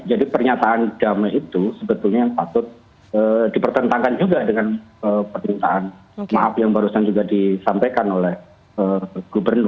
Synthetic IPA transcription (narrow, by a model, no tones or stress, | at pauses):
d͡ʒadipərɲat̪aʔand̥amait̪usəbət̪ʊlɲajaŋpat̪ʊt̪̚ | ədipərt̪ənt̪aŋkand͡ʒuɡadəŋanəpərɲit̪a̰ʔanmaʔafjaŋbaɾusand͡ʒuɡadisampajkanolɛh | əɡ̥obərnʊr